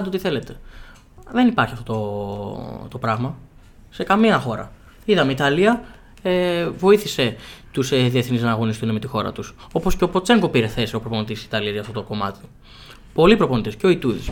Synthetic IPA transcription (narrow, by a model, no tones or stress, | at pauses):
d̪eo̞t̪iθe̞le̞t̪e̞̥ | ðe̞nipɐɾçiɐft̪o̞t̪o | t̪o̞pɾɐɣmɐ | se̞kɐmiɐxo̞ɾɐ̰ | iðɐmeit̪ɐliɐ | evo̞iθise̞t̪usðieθniznɐːɣo̞nist̪uneme̞t̪ixo̞ɾɐ̰t̪uso̞po̞sceo̞pot͡se̞ŋɡo̞piɾe̞θe̞sio̞pɾo̞po̞nit̪isi̥t̪ɐliɐzʝɐft̪ot̪oko̞mɐt̪i̥ | po̞lipɾo̞po̞nit̪esceo̞it̪uðḭs